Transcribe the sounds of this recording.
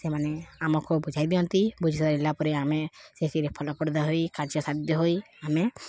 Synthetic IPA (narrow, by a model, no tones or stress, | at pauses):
semaneamɔkʰɔbud͡ʒʱajd̪iɔnt̪ibud͡ʒʱisɔd̪aɾelapɔɾeamesesiɾepʰɔlɔpɔɽd̪ɔɦojkad͡ʒjɔsad̪jɔɦoj | ame